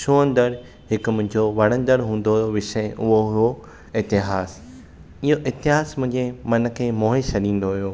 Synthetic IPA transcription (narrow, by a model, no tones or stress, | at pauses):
ʃʰoə̃nd̪əɾ | ɦɪkmʊ̃ɦɪ̃ɲd͡ʑoʋɐɽ̤ə̃nd̪əɽɦũːn̆d̪oɦjoʋɪʃəʔʊɦoɦo | ɪt̪ɪɦaːs | ɪɦoʔɪt̪ɪɦaːsmʊ̃ɦɪ̃ɲd͡ʑemɐn̆kʰeːmoːɦeʃʰɐɗĩːn̆d̪oɦijoː